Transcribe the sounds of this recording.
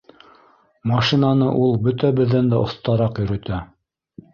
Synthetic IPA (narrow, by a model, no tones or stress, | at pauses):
mɑʃinɑnɤʔulˠbɵt̪æbɘ̆ðːænd̪æʔŏθt̪ɑɾɑqjɵ̆ɾɵ̆t̪æ